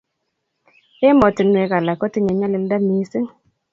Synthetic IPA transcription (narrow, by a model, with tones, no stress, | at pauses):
e˦mɔ˨tɪ˨nwe˨ka˨la˨kɔ˦ti˦ɲa˨ɲa˦lɪ˦lda˦mi˨˦sɪ˦ŋ